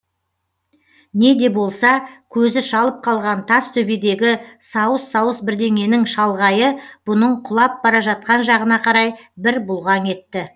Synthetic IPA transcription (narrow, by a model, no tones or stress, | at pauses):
ne̞d̪e̞bo̞lˠsɑkʲʰɵzɪʃɑlˠəp̚qʰɑlˠʁɑnt̪ʰɑst̪ʰɵbe̞d̪e̞ɡʲɪsɑwəsːɑwəsbɪɾd̪e̞ŋe̞nɪŋʃɑlˠʁɑjəb̥ʊnəɴqʰʊlˠɑp̚bɑɾɑʒɑt̪̚qɑnʒɑʁənɑqʰɑɾɑjbɪɾbʊlˠʁɑŋe̞t̪ːɪ